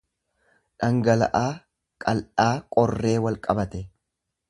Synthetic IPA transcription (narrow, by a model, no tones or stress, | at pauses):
ᶑɐŋɡɐlɐ̰ʔaː | kʼɐlᶑaːkʼɔrːe̞ːwɐlkʼɐbɐt̪ɛ